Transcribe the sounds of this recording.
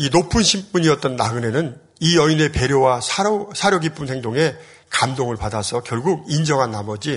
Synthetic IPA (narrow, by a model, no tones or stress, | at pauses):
inopʰunɕʰimp͈uɲiʌt̚t͈ʌnːaɡɯne̞nɯn | iʌine̞pe̞ɾjowasʰaɾosʰaɾjʌɡip͈ɯnhe̞ŋdoŋe̞ | kamdoŋɯɭpadasʰʌkjʌɭɡuɡ̚ind͡ʑʌŋɦanːamʌd͡ʑi